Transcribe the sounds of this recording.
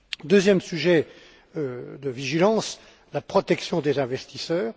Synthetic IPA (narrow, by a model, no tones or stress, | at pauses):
d̪øzjɛmsyʒɛ | d̪əviʒilɑ̃s | lapχɔt̪ɛksjɔ̃d̪ezɛ̃vɛst̪isœːʁ